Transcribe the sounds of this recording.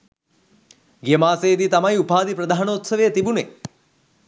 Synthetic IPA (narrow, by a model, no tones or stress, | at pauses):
ɡjemaːseːd̪it̪ɐmajupʰaːd̪ipɾɐd̪aːɦnɐːt̪sɐʋejɐt̪ibune